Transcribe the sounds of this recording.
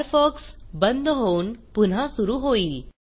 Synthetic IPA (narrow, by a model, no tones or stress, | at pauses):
ɾfɔksbənd̪ɦounpun̤asuɾuːɦoiːl